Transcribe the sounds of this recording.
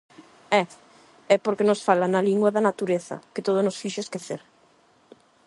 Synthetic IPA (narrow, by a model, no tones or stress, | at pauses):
ɛ | ɛpoɾkenosfalanaliŋɡwaðanat̪uɾeθɐ̰ket̪oð̞onosfiʃeskeθeɾ